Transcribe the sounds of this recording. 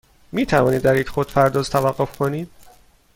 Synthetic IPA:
miːt̪ʰævɒːniːd̪ːæɾiːcʰxod̪̥pʰæɾd̪ɒːzt̪ʰævæɢːo̞fkʰoniːd̪̥

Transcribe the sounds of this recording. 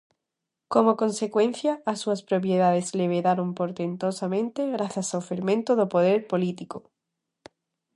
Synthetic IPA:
komokõnsekwẽn̟θjaːsːuaspɾop̬jeðað̞ezleβ̞eðaɾompoɾt̪ent̪osamẽnt̪eɣɾaθjasawfeɾmẽnt̪oðopoð̞eɾpolit̪iko

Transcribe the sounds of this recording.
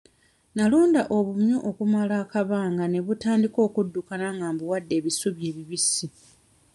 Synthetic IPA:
naluːndaʔo̞βumuʔokumalaːkaβaːŋɡane̞βutaːndiko̞ːkudːukanaŋɡaːmbuwadːe̞ːβisuβje̞ːβiβisi

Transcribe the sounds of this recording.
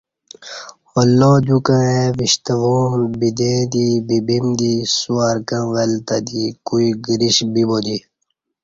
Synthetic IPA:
ɔlːod͡ʑ̪ukə̃ẽʋiɕt̪ɐʋuːmbid̪ed̪ibibimd̪isuaɾkãʋelt̪ad̪ikuiɡiɾiɕbibod̪i

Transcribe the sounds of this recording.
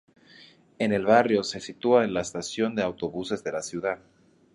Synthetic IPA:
e̞ne̞lβarjo̞se̞sit̪uaenlaest̪asjo̞nd̪eawt̪o̞βuse̞zðe̞lasjuðað

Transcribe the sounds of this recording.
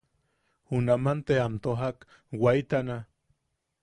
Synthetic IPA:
hunamant̪eamt̪oɦak | wait̪ana

